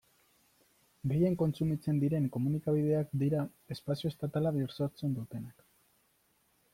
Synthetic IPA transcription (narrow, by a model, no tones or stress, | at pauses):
ɡe̞je̞ŋko̞nt͡sumit͡se̞nd̪iɾe̞ŋko̞munikaβ̞ið̞e̞akd̪iɾa | e̞spasio̞est̪at̪alaβioɾso̞ɾt͡se̞nd̪ut̪e̞nak